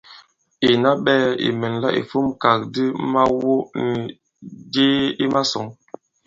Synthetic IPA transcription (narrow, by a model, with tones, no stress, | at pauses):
i˨na˦ɓɛː˦ḭ˨mə˨nla˦ʔḭ˨fu˦mka˨k̚di˦ma˦wo˦ni˨ | d͡ʒe˦i˦ma˦sɔ˨ŋ